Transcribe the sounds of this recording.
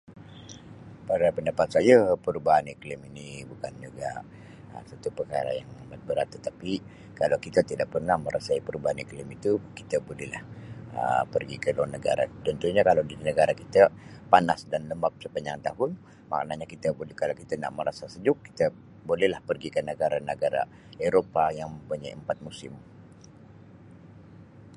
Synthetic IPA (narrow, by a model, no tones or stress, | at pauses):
paɾapəndapat̪̚sajapəɾubaɦanikliminibukanːəɡa̰ʔ | ə̰sat̪upəkaɾa̰jaŋamat̪̚bəɾat̪ːət̪api | kalawkit̪at̪idaʔ̚pərnahməɾʔasaipəɾubaɦaniklimit̪uki̥t̪əbolɛhla̰hə̰pərɡikəlawanəɡa̰ɾa̰t̪ənt̪uɲakalawdinəɡaɾakit̪əpanasdanləmbak̚səpaɲd͡ʒaŋt̪aɦʊn | ma̰knaɲakit̪əbolkalawkit̪ana̰ʔməɾasasəd͡ʒʊkːi̥t̪ə | bolɛhlahpərɡikənəɡaɾanəɡaɾa̰ | eɾopajaŋməmpuɲajəmpat̪̚musɪm